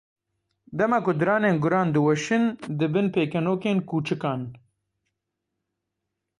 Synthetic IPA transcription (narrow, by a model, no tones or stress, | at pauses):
d̪ɐmakʊd̪ɨɾɑːneːnɡʊɾɑːnd̪ɨwɛʃɨnd̪ɨbɨnpeːkɐnoːkeːnkuːt͡ʃɨkɑːn